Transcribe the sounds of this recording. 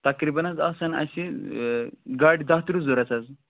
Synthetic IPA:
t̪ɐkɾibɐnɐzɐsɐnɐ̰si | ɡaɾɖʲd̪at̪ɾuzoɾɐt͡sɐz

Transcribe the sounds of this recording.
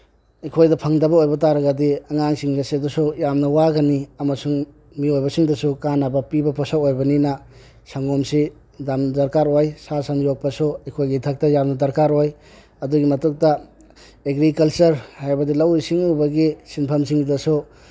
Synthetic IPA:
ekʰojdɐpʰɐŋdɐbɐojbɐtaɾɐɡɐdiɐŋaŋsiŋɡɐsedusujamnɐwaɡɐniɐmɐsuŋ | miojbɐsiŋdɐsukanabɐpibɐpɔsawojbɐninɐ | saŋomsi | damdɐɾkaɾojsasanjok̚pɐsuekʰojɡitʰɐk̚tɐjamnɐdɐɾkaɾoj | ɐduɡimɐtuk̚tɐ | eɡɾikɐlt͡ʃɐɾhajbɐdilɐwisiŋuwbɐɡisinpʰɐmsiŋdɐsu

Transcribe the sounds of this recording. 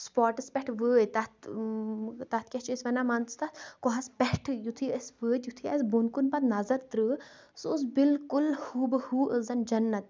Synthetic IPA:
spɔːɾʈɐspʲɛʈʰʋəːjt̪ɐt̪ʰ | t̪ɐt̪ʰkʲɛt͡ʃʰisʋɐnaːmant̪st̪ɐt̪ʰkɔɦɐspɛhʈʰɨjut̪ʰiəsʋəːt̪jut̪ʰiɐs̬bonkunpɐt̪nɐzɐɾt̪ɾɨ | sus̬bilkulhuːbɨhuːʔəzɐnd͡ʒɐnːɐt̪̚

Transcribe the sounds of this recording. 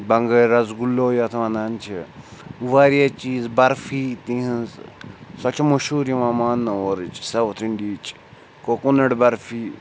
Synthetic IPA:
bɐŋɡɐɾɐzɡulːoːjaːt̪ʰʋãnaːnt͡ʃʰi | ʋaːɾijat͡ʃiːzbɐɾfiːt̪ĩɦĩnzsɐt͡ʃɐmɐʃuːɾjimamaːnːɐoːɾt͡ʃsɐʋt̪ʰɾiɳɖiːt͡ʃ | koːkunɐɽbɐɾfiː

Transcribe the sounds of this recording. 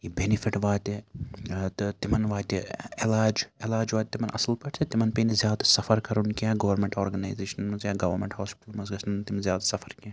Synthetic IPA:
jibenifʰiʈʋaːt̪ʲe | t̪ɨt̪imɐnʋaːt̪ʲielaːd͡ʒelaːd͡ʒʋaːt̪̚ʲt̪ːimɐnʔɐ̰sɐlpɐʈt͡ʃʰet̪imɐnpeːnizʲjaːd̪sɐfɐɾkɐɾunkiãːɡɐʋɐɾmẽɳʈoːɾɡɐnaːjzeːʃɐnmɐzjaːɡɐʋɐɾmẽɳʈhaːspɪ̥ʈɐlmɐzɡɐsnt̪imzjaːd̪sɐfʰɐɾkãː

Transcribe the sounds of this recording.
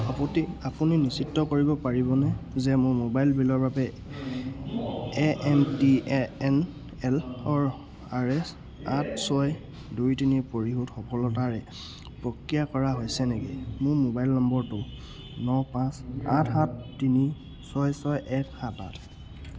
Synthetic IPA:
ɔpɔtiapuninisitːɔkoɹibɔpaɹibɔnɛzɛmʊɹmobajlbilɔɹbabɛ | ɛʔɛmtiɛɛn | ɛlɔɹ | aɹɛs | atʰsɔj | dujtinipoɹiɦutxɔkʰɔlɔtaɹɛ | pɹɔkɹijakɔɹaɦojsɛnɛɡɛ̰mʊɹmobajlnɔmbɔɹtʊ | nɔpãsa̰tʰxãtːini | sɔjsɔjʔɛkxãta̰tʰ

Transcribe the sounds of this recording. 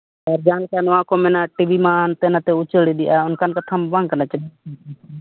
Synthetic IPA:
ɛɾd͡ʒãːlkanɔãkomɛnaʈibimãnt̪ɛnat̪ɛʊt͡ʃəɽid̪ɪʔaʊnkankət̪ʰambãŋkənat͡ʃəbi

